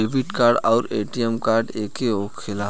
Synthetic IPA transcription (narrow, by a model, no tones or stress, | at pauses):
ebiʈkaːɾɖɔːɾeːʈijɛmkaːɾɖeːkeokʰɪlaː